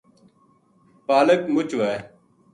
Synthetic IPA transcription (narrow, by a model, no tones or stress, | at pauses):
paːləkmʊt͡ʃʋeː